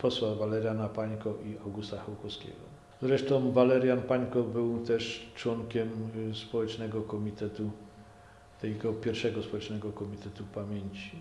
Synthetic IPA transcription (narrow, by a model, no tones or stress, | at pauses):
pɔswavalɛɾjanapaɲkɔʔiawɡust̪axɛwkɔskʲḛɡɔ̰ | zɾɛʂt̪ɔ̃w̃valɛɾjanpaɲkɔbɘwt̪ɛʂt͡ʂwɔŋkʲɛmspɔwɛt͡ʂnɛɡɔkɔmʲit̪ɛt̪u | t̪ɛjɡɔpʲjɛɾfʂɛɡɔspɔwɛt͡ʂnɛɡɔkɔmʲit̪ɛt̪upamʲjeɲt͡ɕi̥